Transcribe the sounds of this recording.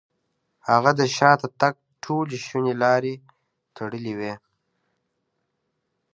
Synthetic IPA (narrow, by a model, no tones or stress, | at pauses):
haɣad̪əʃɑːt̪at̪aɡ̚ʈʰoleʃunelɑːɾe | t̪ʰaɽəliwe